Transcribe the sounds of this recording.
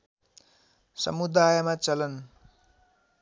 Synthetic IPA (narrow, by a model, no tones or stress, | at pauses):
sʌ̰mud̪ajmat͡sʌlʌn